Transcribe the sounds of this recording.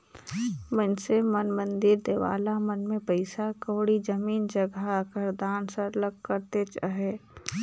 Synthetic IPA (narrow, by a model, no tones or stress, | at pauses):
mənsemənmə̃nd̪ɪɾd̪eːʋa̰ːlamənmẽpəɪsakoːɽid͡ʒəmiːnd͡ʒəɡaəkəɾd̪aːnsəɾləɡ̚kəɾt̪et͡ʃaɦeː